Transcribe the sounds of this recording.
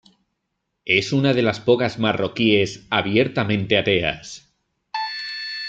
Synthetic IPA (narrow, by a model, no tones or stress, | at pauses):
e̞sunaðe̞laspokazmarokiesaβjeɾt̪amẽ̞nt̪e̞at̪ea̰s